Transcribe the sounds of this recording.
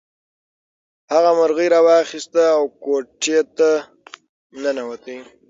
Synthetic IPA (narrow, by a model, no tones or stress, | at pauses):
haɣamaɾɣəjɾɑwɑxist̪aːwkoʈʰet̪a | mnənawat̪ə